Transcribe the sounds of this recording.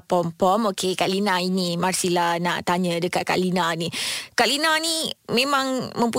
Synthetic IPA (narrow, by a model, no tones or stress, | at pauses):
pɔmpɔmokʰekaʔlinãinimarsilanaʔt̪aɲə̃dəkat̪̚ka̰ʔlinanĩkaʔlinanimẽmãŋmə̃mpu